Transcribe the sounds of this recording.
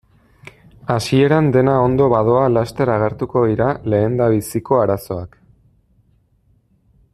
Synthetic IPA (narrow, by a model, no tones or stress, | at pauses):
asie̞ɾand̪e̞nao̞nd̪o̞βaðo̞alast̪e̞ɾaɣ̞eɾt̪uko̞ðiɾale̞ːnd̪aβisiko̞aɾaso̞a̰k